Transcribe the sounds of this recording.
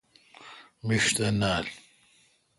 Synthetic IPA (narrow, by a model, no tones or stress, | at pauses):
miʃt̪ɐnaːl